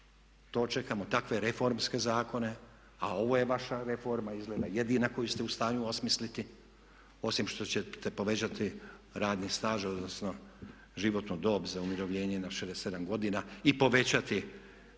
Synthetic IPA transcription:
t̪o̞ːt͡ʃe̞kamo̞t̪akʋe̞ɾe̞fo̞ɾmske̞zaːko̞ne̞ | ao̞ʋo̞je̞ʋaʃaɾe̞fo̞ɾmaizɡleːd̪aje̞d̪inako̞just̪e̞ust̪aːɲuosmislit̪i | o̞simʃt̪o̞t͡ɕet̪e̞po̞ʋe̞t͡ɕat̪iɾaːd̪nist̪aːʒo̞d̪nosno̞ | ʒiʋo̞t̪nod̪o̞ːbzaumiɾo̞ʋʎe̞ːɲenaʃed̪ese̞d̪amɡo̞d̪inaipo̞ʋe̞t͡ɕat̪i

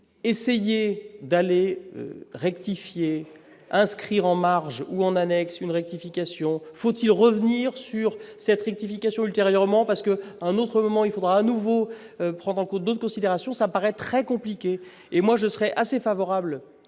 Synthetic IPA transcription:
esejed̪aleø̰ʁɛk̚t̪ifje | ɛ̃skχiʁɑ̃maʁʒuɑ̃nanɛksynʁɛk̚t̪ifikʲasjɔ̃fot̪ilʁəvniʁsyʁsɛt̪ʁɛk̚t̪ifikʲasjɔ̃ylt̪eʁjœʁmɑ̃paʁsə̥kəaɛ̃not̪χəmɔmɑ̃ilfod̪ʁaːnuvo | øpχɑ̃d̪ʁɑ̃kɔ̃t̪̚d̪ot̪χəkɔ̃sid̪eʁasjɔ̃sapaʁɛt̪χɛkɔ̃plikʲeː | mwaʒəsəʁɛʔasefavɔʁabl

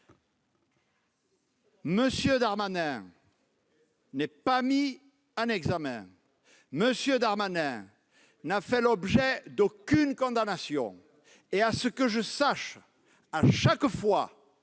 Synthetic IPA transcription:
məsjød̪aʁmanɛ̃ | nɛpami | ɛ̃nɛɡzamɛ̰̃ | məsjød̪aʁmanɛ̃ | nafɛlɔbʒɛd̪okynkɔ̃d̪anasjɔ̰̃ | easəkəʒəsaʃ | aʃakfwa

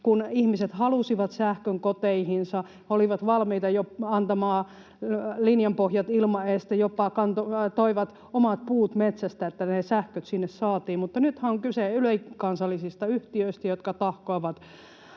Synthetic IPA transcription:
kunihmiset̪hɑlusiʋɑt̪sæhkøŋkot̪eihinsɑ | oliʋɑt̪ʋɑlmiːt̪ɑjoɑnt̪ɑmɑː | linjɑmpohjɑt̪ilmɑest̪ejopːˑɑkɑnt̪ot̪oiʋɑt̪ | omɑt̪̚puːt̪met̪sæst̪æet̪ːænesæhkøt̪sinːessɑːt̪iːmmut̪ːɑnyt̪hæoŋkyseyløikɑnsɑlːisist̪ɑyht̪iøist̪æjot̪kɑt̪ɑhkoiʋɑt̪

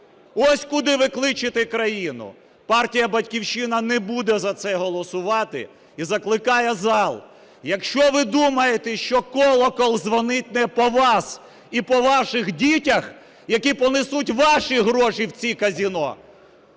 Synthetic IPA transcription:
ɔsʲkʊd̪ɪʋɪklˠɪt͡ʃɪt̪ɪkɾɐjinʊ̰ | pɑrtʲijɐbɐtʲkʲiwʃɪnɐnɛbud̪ɛzɐt̪sɛɦɔlˠɔsʊʋɑt̪ɪ̰ | izɐklˠɪkɑjɛzɑlˠ | jɐkʃt͡ʃɔʋɪd̪umɐjet̪ɛʃt͡ʃɔkɔlˠɔkɔlˠzʋɔnɪt̚ʲnɛpɔʋɑs | ipɔʋɑʃɪɣdʲitʲɐx | jɐkʲipɔnɪsutʲʋɑʃiɦɾɔʃiwt͡sʲikɐzʲinɔ

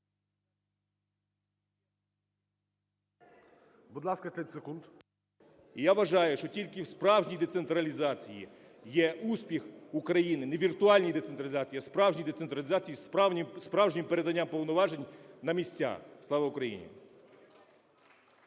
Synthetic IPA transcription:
bud̪lˠɑskɐɛt̪ʲsekund̪ | ijaʋɐʒɑjʊʃt͡ʃɔtʲilʲkɪwspɾɑwʒnʲijd̪esent̪ɾɐlʲizɑt͡sʲijḭ | jɛʔuspʲixʊkɾɐjinɪneʋʲirt̪ʊɑlʲnʲijd̪et̪sent̪ɾɐlʲzɑt͡sʲijiɐspɾɑwʒnʲijd̪et̪sent̪ɾɐlʲizɑt͡sʲijisspɾɑwʒnʲimpeɾed̪ɐnʲːampɔwnɔʋɑʒenʲnɐmʲisʲtʲa̰xslˠɑʋɐʊkɾɐjḭnʲḭ

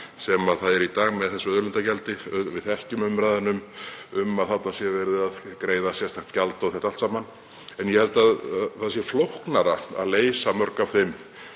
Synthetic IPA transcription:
sɛmaðθaðɛɾit̪aːɣmɛðθɛsʏœðlʏnt̪acɛlt̪ɪvɪðθɛhcʏmʏmɾajðanʏmʏmaðθat̪nasjɛvɛɾɪðaðkɾeːjðasjɛst̪axt̪calt̪oɣθɛht̪alt̪saːman | ɛnjɛhɛlt̪aðθaðs̬jɛflohknaɾaa̰ðleːjsamœɾkafɪm

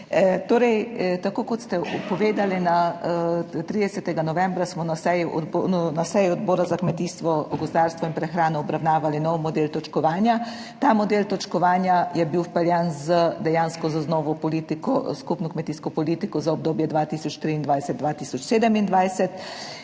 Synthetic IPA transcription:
t̪oːɾɛjt̪akoːkɔt̪st̪ɛɔpɔʋeːd̪alina | t̪ɾiːd̪ɛsɛt̪ɛɡanɔʋɛ̃mbɾasmɔnasɛjnasɛjɔɔd̪bɔːɾazakmɛt̪iːst̪ʋɔɡɔzd̪aɾst̪ʋɔinpɾɛxɾaːnɔɔbɾawnaːʋalinɔwmɔd̪eːlt̪ɔt͡ʃkɔʋaːnja | t̪amɔd̪elt̪ɔt͡ʃkɔʋaːnjajɛbiwpɛljanzəd̪ɛjaːnskɔzaznɔʋɔpɔlit̪ikɔ̰skupnɔkmɛt̪iːskɔpɔliːt̪ikɔzaɔb̚d̪oːbjɛd̪ʋaːt̪iːsɔt͡ʃt̪ɾiːnd̪ʋajsɛd̪̚d̪ʋaːt̪iːsɔt͡ʃseːd̪əmind̪ʋajsɛt̪

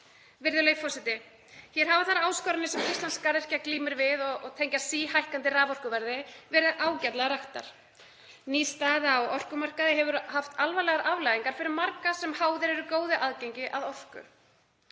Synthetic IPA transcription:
vɪɾðʏlejfɔrsɛt̪ɪ | çjɛɾ̥ɦaːvaθaɾaːwskɔɾɪnɪsɛmist̪lanskaɾɪr̥cakliːmɪɾvɪðɔɔt̪ʰejɲcasiːhajhkant̪ɪraːvɔr̥kʏvɛɾðɪvɛːɾɪðʔaːwcat̪lɛɣaɾaht̪a̰ɾ̥ | niːst̪aːðaɔɔr̥kʏmar̥kaðɪɦɛvʏɾhaft̪alvalɛɣaɾʔavlajðiŋkaɾ̥fɪɾɪmaɾkasɛmhaːwðɪɾɛɾʏkoːwðɪʔaðcejɲcɪʔaðɔr̥kʏ̰

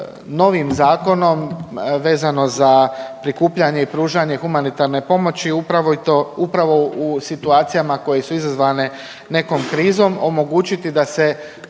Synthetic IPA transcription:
no̞ʋimzaːko̞no̞mʋe̞ːzano̞zapɾikuːpʎaɲe̞ipɾuːʒaɲe̞xumanit̪aɾne̞po̞mo̞t͡ɕiupɾaʋoit̪oupɾaʋo̞usit̪uaːt̪sijamako̞je̞suizazʋane̞ | ne̞ko̞mkɾiːzo̞mo̞mo̞ɡuːt͡ɕit̪id̪ase̞

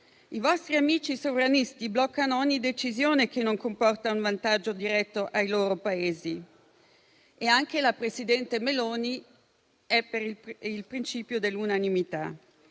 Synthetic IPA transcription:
ivɔst̪ɾiamiːt͡ʃisovɾanist̪iblɔkːanoɔɲːid̪et͡ʃizjoːnek̟enːoŋkompɔrt̪auɱvant̪ad͡ʒːod̪iɾɛt̪ːoʔajloːɾopaeːzi | eaŋk̟elapɾesid̪ɛnt̪emeloːni | ɛpːeɾilpɾint͡ʃiːpjod̪elːunanimit̪a

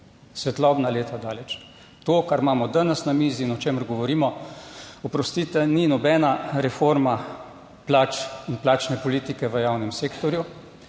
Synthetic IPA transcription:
sʋɛt̪lɔbnaleːt̪ad̪aːlɛt͡ʃ | t̪oːkaɾmaːmɔd̪anɛsnamiziːnɔt͡ʃeːməɾɡɔʋɔɾiːmɔ | ɔpɾɔst̪iːt̪ɛninɔbɛːnaɾɛfoɾma | plaːt͡ʃinplaːt͡ʃnɛpɔliːt̪ikɛʋəjaːwnɛmseːkt̪ɔɾju

